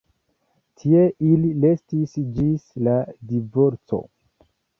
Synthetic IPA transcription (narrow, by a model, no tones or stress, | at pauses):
tʰie̞ʔilile̞stisd͡ʒisladivo̞ɾt͡so̞̰